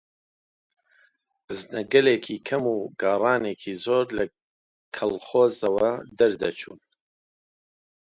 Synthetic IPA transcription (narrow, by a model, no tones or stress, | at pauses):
znɐɡɐleːkʰiːkʰɐmuːɡaːrˤɑːneːkʰiːzoːɾlɐ | kʰɐlχoːzɐwɐd̪ɐɾd̪ɐ̰t͡ʃʰṵːn